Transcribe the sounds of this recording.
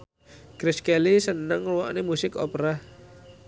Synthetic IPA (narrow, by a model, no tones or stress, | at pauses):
kɾɪskelisənəŋluwa̰ʔnemusɪkɔpɾa